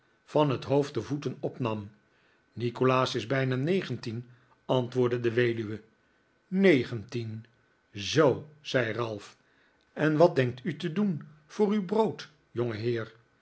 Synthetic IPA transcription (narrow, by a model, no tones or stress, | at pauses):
fɑnɦətɦowft̚dəvutənɔpnɑm | nikolaːsɪzbɛjnanejχəntin | ɑntʋʊːɹdədəʋejdyʋə | nejχəntin | zowz̥ɛjrɑlˠf | ɛnʋɑt̚dɛŋk̚tytədunv̥ʊːrywbrowt | jɔŋəɦɪːɹ